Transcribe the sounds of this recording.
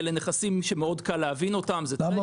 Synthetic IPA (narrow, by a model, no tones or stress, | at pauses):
leneχasimʃemeo̞dkalːeavino̞tamze